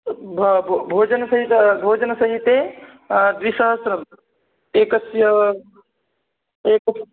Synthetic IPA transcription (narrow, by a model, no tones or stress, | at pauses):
bʱbʱoːd͡ʒɐnsɐɦit̪bʱoːd͡ʒɐnɐsɐɦit̪e | d̪ɾisɐɦəsɾɐm | eːkɐsjɐ | eːk